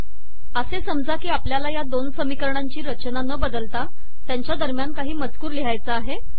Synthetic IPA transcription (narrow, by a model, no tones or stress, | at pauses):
əsesəmd͡zakiːapljalajad̪onsəmikəɾɳaɲt͡ɕiːɾət͡ɕnanəbəd̪əlt̪a | t̪jaɲt͡ɕjad̪əɾmjankaɦiːmət͡skuːɾliɦajt͡səaɦe